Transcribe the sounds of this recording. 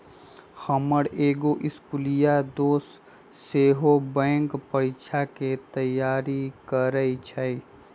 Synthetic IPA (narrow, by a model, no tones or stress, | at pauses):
xəməɽeːɡoʔɪskulijad̪oːsː | eɦobɛ̃ːŋkpəɾit͡ʃʰaket̪əjaːɾikəɾəit͡ʃʰəj